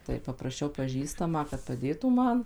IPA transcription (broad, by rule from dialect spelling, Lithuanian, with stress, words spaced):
tɐɪ pɐprɐˈʃʲɛʊ pɐˈʒʲiːstɐmɑː kɐt pɐˈdʲeːtuː ˈmɐn